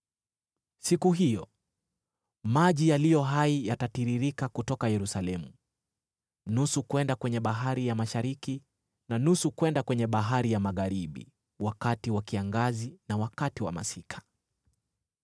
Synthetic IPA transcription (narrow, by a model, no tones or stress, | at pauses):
sikuɦijɔ | maʄijalijɔɦaijatatiɾiɾikakutɔkajɛɾusalɛmu | nusukwɛndakwɛɲɛɓaɦaɾijamaʃaɾiki | nanusukwɛndakwɛɲɛɓaɦaɾijamaɣaɾiɓḭ | wakatiwakiaŋɡazinawakatiwa̰ma̰sikʰḁ